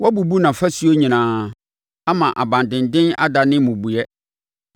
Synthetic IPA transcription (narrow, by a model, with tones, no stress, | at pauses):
wɔ˦bu˨bu˦nã˨fæ˦su˦o˦ɲĩ˨nãː˨˦ | a˦mã˨ʔa˨bã˨ndɪ̃˨ndɪ̃˦na̰˦da˨nɪ̃˦mʊ̃˨bu˨jɛ˦